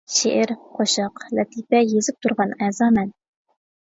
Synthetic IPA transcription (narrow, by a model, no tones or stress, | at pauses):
ʃeʔɪɾqʰoʃɑqlɛt̪ʰipɛjezɪp̚t̪ʰuɾʁɑnɛzɑːmɛn